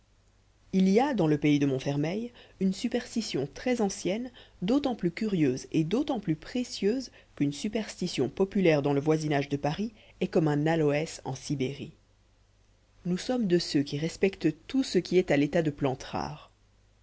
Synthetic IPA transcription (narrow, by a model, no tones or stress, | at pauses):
iliad̪ɑ̃ləpeid̪əmɔ̃fɛʁmɛjynsypɛʁst̪isjɔ̃t̪χɛzɑ̃sjɛnd̪ot̪ɑ̃plykʲyʁjøzed̪ot̪ɑ̃plypχesjøːz | kynsypɛʁst̪isjɔ̃pɔpylɛʁd̪ɑ̃ləvwazinaʒd̪əpaʁi | ɛkɔmɛ̃nalɔɛsɑ̰̃sibeʁi | nusɔmd̪əsøkʲiʁɛspɛkt̪t̪usəkʲiɛt̪alet̪ad̪əplɑ̃t̪ʁa̰ːʁ